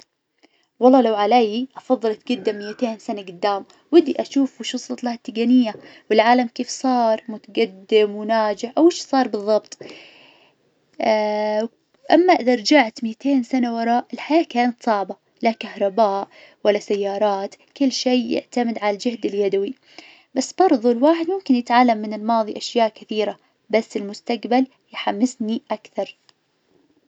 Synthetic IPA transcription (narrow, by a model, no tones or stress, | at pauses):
wɑlˤːɑːlawʕalaːjiʔɑfɑðˤːɨlɪt̪̚ɡʊd̪ːamːɪjːat̪eːnsanaɡʊd̪ːaːm | wɪd̪ːiʔaʃuːfwʃʊsˤlɑt̪ˤlahat̪ːaɡanɪjːawɪlʕaːlamkeːfsˤɑːɾˤmʊt̪aɡad̪ːɪmwɪnaːd͡ʒɪʕʔawɪʃsˤɑːɾˤbɨðˤːɑbt̪ˤ | ʔamːaʔɪd̪aɾˤd͡ʒaʕt̪mɪt̪eːnsanawɑɾˤɑːʔɪlħajaːʔkaːnat̪sˤɑʕba | lakahɾˤɑbaːʔ | walːasajːɑːɾˤɑːt̪ | kɪlːʃeːjɪ̰ʕt̪amɪd̪ʕalald͡ʒɪhd̪ɪljad̪awi | basːbɑɾˤðˤulwaːħɪd̪mʊmkɪnjɪt̪ʕalːamːɪnɪlmɑːðˤiʔaʃjaːʔkɪθiːɾa | basːɪlmʊst̪aqbal | jħamːɪsniʔakθɑɾˤ